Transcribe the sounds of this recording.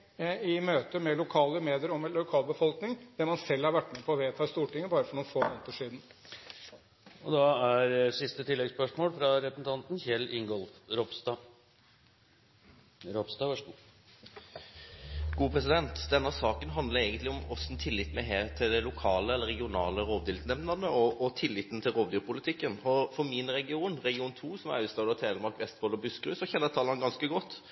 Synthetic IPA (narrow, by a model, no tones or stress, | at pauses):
ɪmøːt̪əmɛlʊkʰɑːləmeːd̪ɪəɾɔmʊkʰɑːlbəfɔlknɪŋd̪̥ɛmɑnsɛlːhɑɾʋæʈːmɛpʰɔːʋeːt̪ʰɑːɪst̪uːʈɪŋːəbɑːɾəfɔɳuːnfoːmoːnt̪əʂiːd̪n̩ | ɔd̪ɑæɾsɪst̪ət̪ʰɪlːɛɡspœʂmoːlfɾɑɾɛpɾəsn̩t̪ɑnt̪nçɛlːʔɪŋɡɔlfɾɔpst̪ɑ | ɾɔpst̪ɑːʋæʂəɡu | ɡ̥uːpʰɾɛs̬ɪd̪ɛnt̪d̪ɛnːəsɑːkənɦɑnd̪ləɾeːɡənt̪lɪɔmɔsn̩t̪ʰɪlːɪt̪ːmɛɦeːt̪ʰɪld̪ɛlʊkʰɑːləɛlːəɾʁɛɡɪʊnɑ̰ːləɾoːʋd̪ɪːlt̪nɛmnəʁnəɔʔːt̪ʰɪlːɪt̪n̩t̪ʰɪlɾoːʋd̪yːɾpʰʊlɪt̪ʰɪkːənɔfɔmɪnɾɛɡɪuːnɾɛɡɪuːnt̪ʰuːsɔmɑ̰ʉst̪ɑːd̪ət̪ʰɛːəɾmɑɾkʋɛst̪foːlɔbʉskɾʉːsɔçɛnːət̪ʰɑːlənɡɑnskəɡɔt̪ː